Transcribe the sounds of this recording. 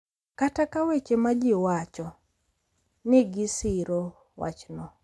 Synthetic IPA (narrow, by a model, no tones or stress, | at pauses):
katakawet͡ʃemad͡ʒɪwat͡ʃɔ | nɪɡɪsɪɾo | wa̰t͡ʃnɔ